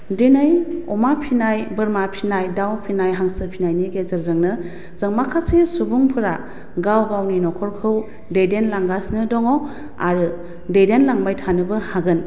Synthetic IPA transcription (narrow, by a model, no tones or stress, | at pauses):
denɯjɔmapʰinajbɯɾmapʰinajdawpʰinajɦaŋsɯpʰinajniɡezəɾzɯŋnɯ | z̥əŋmakʰasisubuŋpʰɯɾa | ɡawɡawninɔkʰɔɾkʰɯw | dejdenlaŋɡasnɯdɔŋɔ | a̰ɾɯ | dejdenlaŋbajtʰanɯbɯhaɡɯn